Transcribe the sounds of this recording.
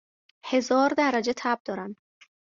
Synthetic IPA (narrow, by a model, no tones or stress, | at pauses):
he̞zɒːɾd̪æɾæd͡ʒe̞t̪ʰæb̥̚d̪ɒːɾæn